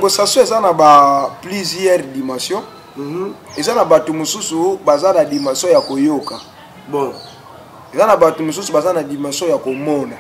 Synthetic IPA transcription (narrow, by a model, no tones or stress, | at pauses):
aŋɡosasɔ̃ezanabaplizɛʁdimãsjɔ̃ | ezanabatomosusubazanadimãsjɔ̃jakojoka | bo | ezanabatomos̬usubazanadimãsjɔ̃jakomɔna